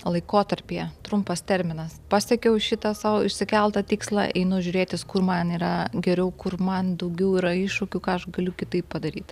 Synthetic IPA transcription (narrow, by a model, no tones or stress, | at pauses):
lˠɐɪkoːt̪ɐɾʲpʲeːt̪ɾʊmpɐst̪ʲɛɾʲmʲɪnɐspɑːsʲɛkʲɛʊʃʲɪt̪ɐsɑːʋoɪʃʲsʲɪkʲɛlˠt̪ɐt̪ʲiːkslˠɑ̰ʔɛɪnʊʒʲʊːɾʲeːt̪ʲɪskʊrmɐniːɾɐɡʲɛɾʲɛʊkʊrmɐnd̪ɐʊɡʲɛʊiːɾɐɪʃʊkʲukɑːɐʃɡɐlʲʊkʲɪt̪ɐɪppɐd̪ɐɾʲiːt̪